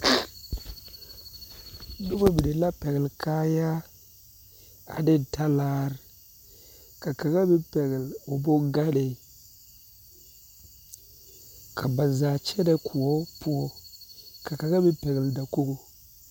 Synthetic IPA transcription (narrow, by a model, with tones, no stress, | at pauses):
nu˦ba˦bi˨de˨la˦pe˨ɡlka˦ja˦ | a̰˨de˦n˨ta˦la˦ɾ | ka˨ka˨ɣa˦bi˦pe˨ɡlo˨bo˦ŋɡa˦de˨ | kʰa˨ba˨za˨t͡ʃe˦de˦kʰu˨o˦pu˦o˦ka˨ka˨ɡa˦bi˦pe˨ɡlda˨ku˦ɡo˨